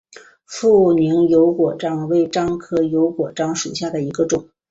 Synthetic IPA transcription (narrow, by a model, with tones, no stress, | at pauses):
fu˥˩ni˧˥ŋjo˧˥ʊkwɔ˨˩ʈ͡ʂɑ˥ŋwe˥˩ɪʈ͡ʂɑ˥ŋkʰɤ˥jo˧˥ʊkwɔ˨˩ʈ͡ʂɑ˥ŋʂu˨˩ɕja˥˩d̪ə˩i˧˥ɡə˧ʈ͡ʂʊ˨˩˦ŋ